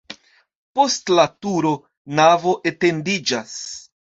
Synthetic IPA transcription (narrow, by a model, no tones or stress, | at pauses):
po̞stlatuɾo̞ | navo̞ʔe̞te̞ndid͡ʒas